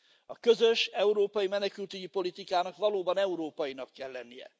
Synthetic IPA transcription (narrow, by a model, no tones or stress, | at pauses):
ɒkøzø̞ʃɛuɾoːpɒjimɛnɛkylt̪yɟipo̞lit̪ikaːnɒkʋɒloːbɒnɛuɾoːpɒjinɒkːɛlːɛnːijɛ̰